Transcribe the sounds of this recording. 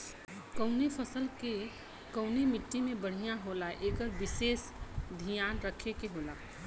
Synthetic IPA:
kəʊnepʰəsəlke | kəʊnemɪʈːimẽbəɽ̤ijaɦolaʔekəɾbises | d̪ʱijanɾəkʰekeɦola

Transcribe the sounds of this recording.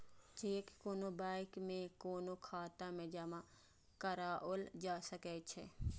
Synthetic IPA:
t͡ʃeːkːkoːnobaːɪkmẽkoːnokʰaːt̪ãmẽd͡ʒamã | kəɾaːʔold͡ʒaːsəkɛːt͡ʃʰḛ

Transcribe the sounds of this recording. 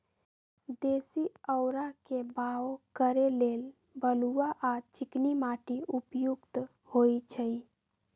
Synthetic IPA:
d̪esiəʊɾakebaokəɾelel | bəluaʔat͡ʃiknimaʈiupjuɡt̪ | hojt͡ʃʰəj

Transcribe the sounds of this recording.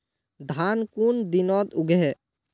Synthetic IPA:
d̪ʱaːnkund̪inɔːd̪ʊɡɛ

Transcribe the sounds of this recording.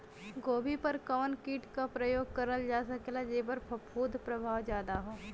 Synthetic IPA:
ɡoːbʱipəɾkɔːnkiːʈkapɾəjoːɡ̚kɐɾəld͡ʒaːsɐkelad͡ʒeːbəɾpʰɐpʰuːd̪ʱpɾɐbʱaːʋd͡ʒjaːd̪aɦɛː

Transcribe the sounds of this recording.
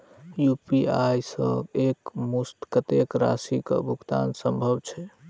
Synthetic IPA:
jupiajsəbekmust̪kət̪ekɾa̰sikə̰bʱuɡt̪ansə̃mbʱəbt͡ʃʰɛ

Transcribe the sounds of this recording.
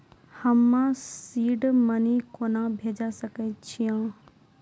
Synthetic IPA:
həmːãsiːɖmɐnikoːnãbʱeːd͡ʒasəket͡ɕʰijãː

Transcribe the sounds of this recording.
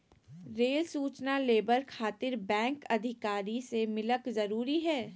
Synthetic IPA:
ɾeːlsuːt͡ʃnaleːbəɾkʰaːt̪ɪɾbɛ̃ːŋkɐd̪ʱɪkaːɾisemɪləkzɐɾuːɾiɦɛː

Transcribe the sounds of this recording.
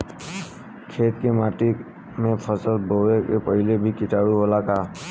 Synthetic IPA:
kʰeːt̪kemaːʈi | mẽpʰəsəlbʱoːʋekepəɦɪlebʱikɪʈaːɽuɦolak̪aː

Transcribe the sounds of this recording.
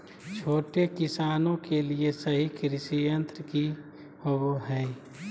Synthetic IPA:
t͡ʃʰoːʈekɪsaːnõkeliesəɦikɾɪʃijə̃nt̪ɾəki | hoboɦɛː

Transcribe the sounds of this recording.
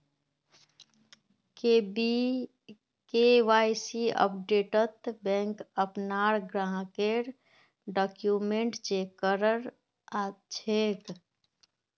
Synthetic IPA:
kebi | keʋaːjsiə̰p̚ɖeːʈət̪bɛ̃ːŋkəpnaːɽɡɾãːɦkeɾ | ɖɔːkjumẽɳʈt͡ʃekəɾəɾ | at͡ʃʰeːk

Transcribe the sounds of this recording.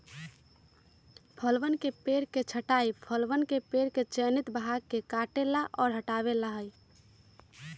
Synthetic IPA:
pʰəlʋənkepeɾket͡ʃʰəʈaipʰəlʋənkepeɾket͡ʃənit̪bɦakːekaʈelaʔɔːɾɦəʈaβelaɦəj

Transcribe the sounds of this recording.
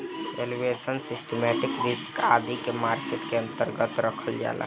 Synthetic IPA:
elʋesənsɪsʈemɛʈɪkɾɪskaːd̪ikemaːɾseʈkeə̃nt̪əɾɡət̪ɾəkʰəld͡ʒa̰ːla̰

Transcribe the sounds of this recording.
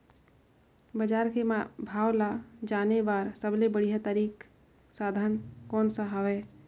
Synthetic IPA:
bəd͡ʒaɾkemabʱawlad͡ʒanebaɾsəblebəɽijɦət̪aɾik | sad̪ʱənkɔnsə̃ɦəbɛ

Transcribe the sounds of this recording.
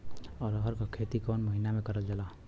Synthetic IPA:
ɔɾɔɦʌɾkɔkʰet̪ikonməɦinamekʌɾəld͡ʒala

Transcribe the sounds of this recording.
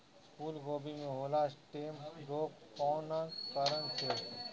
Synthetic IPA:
pulɡoːbimẽɦoːlasʈeːmɾoːp | kɔːnakəɾənt͡ʃʰe

